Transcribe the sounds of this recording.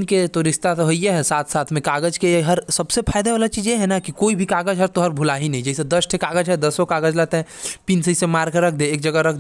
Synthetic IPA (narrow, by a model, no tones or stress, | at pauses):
nket̪oɾɪst̪at̪oɦoijeɦɛsaːt̪ʰsaːt̪ʰmẽkaːɡəd͡ʒkeeɦɐɾsɐbsepʰaːɪd̪eʋaːlat͡ʃiːd͡ʒjeɦɛnakikoːibʱikaːɡəd͡ʒɦɛɾt̪oɦɐɾbʱʊlaːɦinɐɦĩd͡ʒɛsed̪ɐsʈʰekaːɡəd͡ʒɦɛd̪ɐsõkaːɡəd͡ʒlɛt̪eɦɛ̃ | piːnsəisemaːɾɡɾɐk̚ʰd̪eeːk̚d͡ʒɐɡəɾɐkʰd̪